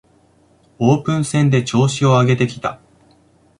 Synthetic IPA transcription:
oːpɯ̟̃ɰ̃sẽ̞nd̪e̞t͡ɕo̞ːɕio̞aɡe̞t̪e̞kʲi̥t̪a

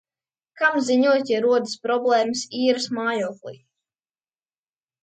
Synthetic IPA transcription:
kamziɲuɔt̪ʲaɾuɔd̪ɨspɾɔblˠɛːmɨsiːɾɨsmaːjuːklˠḭː

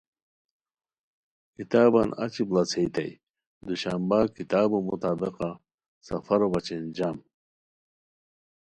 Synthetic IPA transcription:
kit̪aːbanɐ̰t͡ɕiblɐt͡sʰejt̪ɐ̰j | d̪uɕambakit̪aːbumut̪aːbiqa | sɐfɐɾobɐt͡ɕend͡ʑaːm

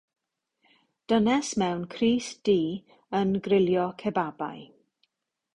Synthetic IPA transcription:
d̥ənɛsmɛwnkʰriːsd̥iː | ənɡrɪljɔkʰɛbaba̰j

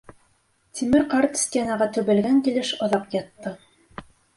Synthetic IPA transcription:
t̪ʲimɘɾqɑɾt̪sʲt̪ʲenɑʁɑt̪ɵ̆βɘ̆lɡæŋkilɘʃŏðɑqjɑt̪ːɤ

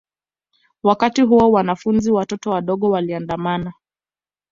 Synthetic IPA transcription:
wakatiɦuɔwanafunziwatɔtɔwaɗɔɠɔwaliandamana

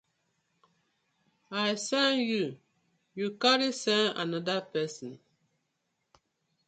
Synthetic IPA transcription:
ajsanju | jukaɾisɛ̃na̰nadapɛsɔn

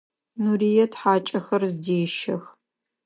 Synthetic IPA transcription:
nurijɛtħaːt͡ʃʼɐxɐrzdeːʃɐx

